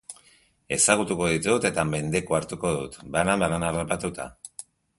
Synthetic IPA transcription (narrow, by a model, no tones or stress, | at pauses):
e̞saɣ̞ut̪uko̞ð̞it̪ut̪e̞t̪ame̞nd̪e̞koaɾt̪uko̞ðut̪balambaɾanarapat̪ut̪a̰